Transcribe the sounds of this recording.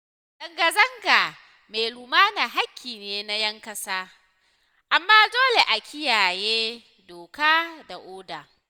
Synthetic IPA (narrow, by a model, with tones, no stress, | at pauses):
zɐ˨ŋɡɐ˨zɐ˦ŋɡaː˨ | me˨jlu˨maː˦na˨ɦa˦kʲːiː˨neː˦na˦jɐ˦ŋkɐ˦saː˦ | ʔa˨mːaː˦doː˦le˨ʔa˨kʲɪ˦jaː˨jeː˦ | doː˨kaː˦da˨ʔoː˦da˨